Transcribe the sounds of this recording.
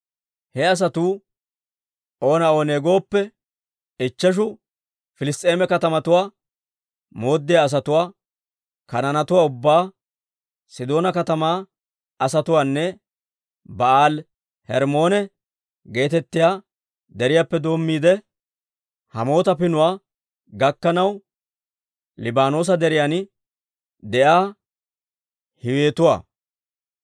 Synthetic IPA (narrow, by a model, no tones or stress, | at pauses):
hɛɐs̬ɐt̪uː | ʔo̞ːnɐoːneːɡo̞ːpːɛ | ɪt͡ʃːɐʃ̬ʊ | fɪlɪst̪ʼe̞ːmɛkɐt̪ɐmɐt̪ʊwaː | mo̞ːd̪ːɪjaːs̬ɐt̪ʊwaː | kɐnɐnɐt̪ʊwaːʊbːaː | sɪd̪o̞ːnɐkɐt̪ɐmaː | ɐsɐt̪ʊwaːnːɛ | bɐʔaːl | hɛɾmo̞ːnɛ | ɡe̞ːt̪ɛt̪ːɪjaː | d̪ɛɾɪjaːpːɛd̪o̞ːmːiːd̪ɛ | hɐmo̞ːt̪ɐpɪnʊwaː | ɡɐkːɐnɐw | lɪbaːno̞ːs̬ɐd̪ɛɾɪjan | d̪ɛʔaː | hɪwe̞ːt̪ʊwa̰ː